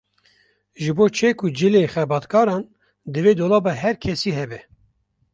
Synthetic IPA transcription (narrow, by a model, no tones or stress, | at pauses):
ʒɨboːt͡ʃʰeːkʰʊd͡ʒɨleːxɛbɑːt̪kʰɑːɾɑːn | d̪ɨveːd̪oːlɑːbɑɦɛɾkʰɛsiːɦɛbɛ